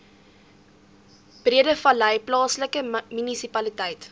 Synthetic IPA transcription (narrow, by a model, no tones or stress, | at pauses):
b̥riədəfɐləjplɑːsləkəmynisipɐlitɛjt